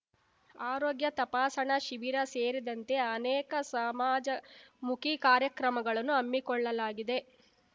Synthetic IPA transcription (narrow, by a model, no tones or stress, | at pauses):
aːɾoːɡjɐt̪ɐpaːsɐɳɐʃiʋiɾɐseːɾid̪ɐnt̪e̞ɐnɛːkɐsɐmaːd͡ʒɐmukikaːɾjɐkɾɐmɐɡɐɭɐnːuɐmːikɔɭːɐlaːɡid̪e̞